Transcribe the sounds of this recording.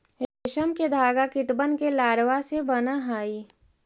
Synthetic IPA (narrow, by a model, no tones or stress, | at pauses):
eʃəmked̪ʱaːɡakɪʈbənkelaːɾʋasebənaɦaːiː